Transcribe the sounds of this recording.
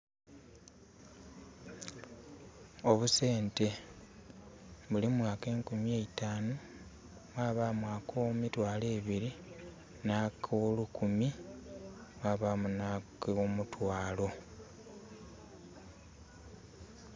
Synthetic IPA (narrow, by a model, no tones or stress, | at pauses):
o̞βuse̞ːnte̞ | βulimwaːke̞ːŋkumjeːitaːno | mwaːβamwaːkʰomitwaːle̞ːβiɾi | naːkʰolukumi | mwaːβamunakomutʰwaːlo̞